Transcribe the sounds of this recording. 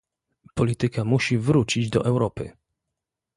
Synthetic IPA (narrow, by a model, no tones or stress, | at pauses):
pɔlʲit̪ɘkamuɕivɾut͡ɕid͡ʑd̪ɔ̰ʔɛwɾɔpɘ̰